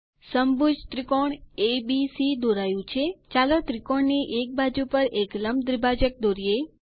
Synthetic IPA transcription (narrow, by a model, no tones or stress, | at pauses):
səmbud͡ʒt̪ɾikoɳebisid̪oɾajũt͡ʃʰet͡ʃalot̪ɾikoɳniʔek̚bad͡ʒupəɾekləmd̪ɾibad͡ʒək̚d̪oɾie